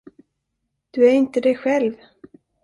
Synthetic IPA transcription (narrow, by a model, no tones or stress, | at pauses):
d̪̥ɵæɾɪnt̪əd̪ɛjɧɛlv